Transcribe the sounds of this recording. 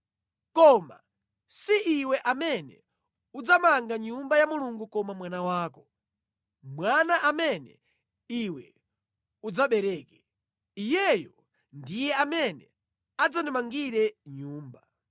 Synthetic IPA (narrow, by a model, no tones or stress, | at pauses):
kɔma̰ | siʔiwɛʔamɛnɛ̰ | ud͡zamaŋɡaɲumbajamuluŋɡukɔmamwanawaːkɔ | mwanaʔamɛnɛ̰ | iwɛ | ud͡zaɓɛɾɛːkɛ | ijɛjɔ | ndijɛamɛnɛ̰ | ad͡zanimaŋɡiɾɛɲuːmba